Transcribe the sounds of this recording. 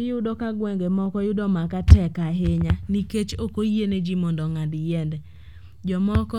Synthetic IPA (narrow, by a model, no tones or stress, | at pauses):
ɪjʊdɔkaɡwɛŋɡemɔkɔjʊdɔmakatɛkaɦeɲaniket͡ʃokojened͡ʒimɔndɔŋadjɛndɛ | d͡ʒɔmɔkɔ